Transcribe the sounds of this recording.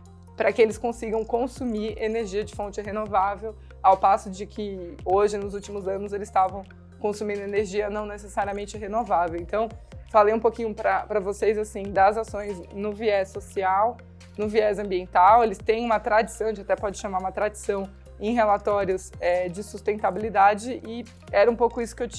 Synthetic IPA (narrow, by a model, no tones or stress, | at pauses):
pɾɐkɪelɪskõsiɡɐ̃w̃kõsumiɾeneɾʒiɐd͡ʒɪfõnt͡ʃɪɦenovavew | awpasʊd͡ʒɪkʰɪoʒɪnʊzuwt͡ʃimʊzɐ̃nʊzelɪst̪avɐ̃w̃ | kõsumĩnd̪ʊeneɾʒiɐnɐ̃w̃nesesaɾiɐmẽnt͡ʃɪɦenovavewẽnt̪ɐ̃w̃falejũpokĩɲʊpɾɐpɾɐvosejzasĩd̪ɐzasõj̃znʊviɛsosiaw | nʊviɛzɐ̃mbiẽnt̪awelɪst̪ẽj̃ũmɐt̪ɾad͡ʒɪsɐ̃w̃eat̪ɛpɔd͡ʒɪʃamaɾũmɐt̪ɾad͡ʒɪsɐ̃w̃ | ẽj̃ɦelat̪ɔɾjʊsɛd͡ʒɪsust̪ẽnt̪abilid̪ad͡ʒɪʔɪ | ɛɾɐũpowkʊisʊ̥kɪewt͡ʃ